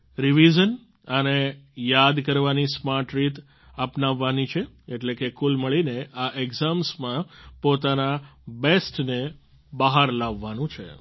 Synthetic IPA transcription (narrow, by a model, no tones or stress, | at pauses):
ɾiʋid͡ʒən | ənejad̪kəɾʋanismaʈɾit̪ | əpnaʋːanit͡ʃʰe | eʈlekekulməɭineʔaʔeɡzamsmãpot̪anabesʈne | baɦaɾlaʋːanũt͡ʃʰḛ